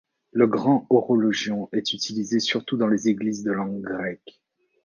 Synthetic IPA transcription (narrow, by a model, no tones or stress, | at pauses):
ləɡʁɑ̃oʁɔlɔʒjɔ̃ɛt̪yt̪ʰilizesyʁt̪ud̪ɑ̃lezeɡlizd̪əlɑ̃ɡʁɛk